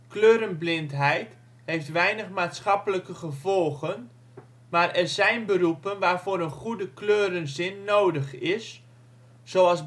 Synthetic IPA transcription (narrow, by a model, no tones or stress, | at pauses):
kløːɾənblɪntɦɛjt | hejftʋɛjnəχmaːtsχɑpələkəχəvɔlˠχən | maːrɛzɛjnbərupənʋaːrvoːɾənχudəkløːɾənzɪnːoːdəχɪsː | oːɑlˠs